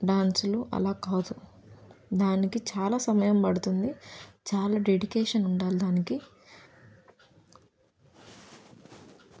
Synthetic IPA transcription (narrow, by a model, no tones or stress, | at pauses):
ɖaːnsuluʔɐ̰laːkaːd̪u | d̪aːnikit͡ʃaːlaːsɐmɐjɐmpɐɽut̪und̪it͡ʃaːlaːɖeɖikɛːʂɐnuɳɖaːlid̪aːniki